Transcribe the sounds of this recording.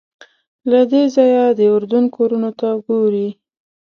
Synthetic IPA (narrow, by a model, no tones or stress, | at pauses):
lad̪ezɑjad̪əʊɾd̪un̚kʰoɾunot̪aəɡoɾi